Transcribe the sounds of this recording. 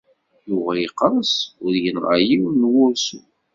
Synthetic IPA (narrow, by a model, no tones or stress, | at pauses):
jʊʁæjiqːəɾˤsʊɾjənʁɑ̰jiwnwʊɾsu